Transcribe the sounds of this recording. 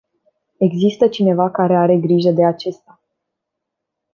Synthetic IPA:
e̞ɡzist̪ət͡ʃine̞vakaɾe̞aɾe̞ɡɾiʒəd̪e̞at͡ʃe̞st̪a

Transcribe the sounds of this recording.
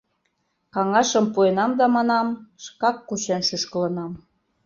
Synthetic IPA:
kɑŋɑʃɤ̆mpuenɑmd̪ɑmɑnɑmʃkɑkːut͡ɕenʃyʃkə̆lɤ̆nɑm

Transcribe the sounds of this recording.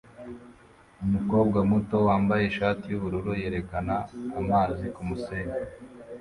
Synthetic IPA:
umuko̞ːb̚ɡamuto̞waːmbaje̞ʃaːtijuβuɾuɾuje̞ɾe̞kanaːmaːzikumuseːɲe

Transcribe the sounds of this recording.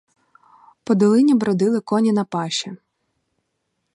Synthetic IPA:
pɔd̪ɔlˠɪnʲibɾɔd̪ɪlˠɪkɔnʲinɐpɑʃɛ

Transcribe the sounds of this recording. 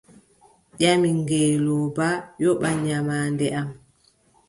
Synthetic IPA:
ʄamiŋɡɛːlɔbajɔɓaɲamaːndɛʔam

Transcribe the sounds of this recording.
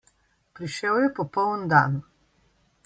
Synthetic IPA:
pɾiʃɛwjɛpɔpɔwənd̪an

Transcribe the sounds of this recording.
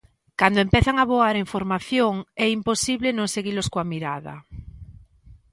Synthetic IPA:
kand̪oempeθaŋaβoaɾeɱfoɾmaθjoŋɛimposiβlenõŋseɣiloskoamiɾaða̰

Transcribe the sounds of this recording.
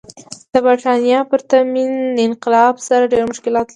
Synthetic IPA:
d̪̥əbaɾʈɑnjɑpəɾt̪aminɪnqɪlɑbsaɾaɖeɾmʊʃkɪlɑt̪li

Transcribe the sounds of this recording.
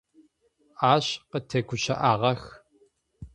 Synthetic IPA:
aːɕqətʰɐɡʷʊɕɐ̰ʔaːʁɐx

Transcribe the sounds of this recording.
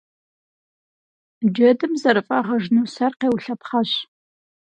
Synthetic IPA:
d͡ʒɐdɨmzɐɾɨfʼaːʁɐʒnuːsɐrqeːwɬɐpχɐɕ

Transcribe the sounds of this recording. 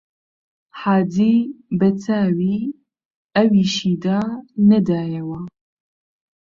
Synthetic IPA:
ħaːd̪iːbɛt͡sʰaːwiː | ɐwiːʃiːd̪aːnɛd̪aːjɛwa

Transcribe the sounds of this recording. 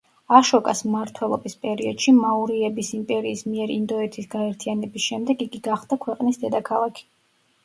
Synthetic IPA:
aʃɔkʼasmmaɾt̪ʰwɛlˠɔ̰bispʼɛɾiɔd̪̥ʃimauɾiɛbisimpʼɛɾiːsmiɛɾind̪ɔɛt̪ʰisɡaɛɾt̪ʰianɛbisʃɛmd̪ɛɡiɡiɡaχd̪̥akʰwɛqʼnisd̪ɛd̪akʰalˠakʰi̥

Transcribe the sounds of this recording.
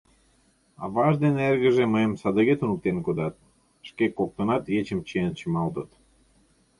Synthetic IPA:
ɑ̰βɑʒd̪enerɣə̆ʒeməjəmsɑd̪əɣet̪unuk̚t̪enkod̪ɑt̪̚ | ʃkekːok̚t̪ənɑt̪jet͡ɕəmt͡ɕeənt͡ɕəmɑlˠt̪ət̪

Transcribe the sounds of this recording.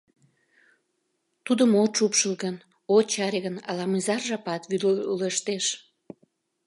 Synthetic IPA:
t̪ud̪əmot̪ʃupʃəlɣən | ot͡ɕɑɾeɣənɑ̰lɑmɨzɑrʒɑpɑt̪vyleʃt̪eʃ

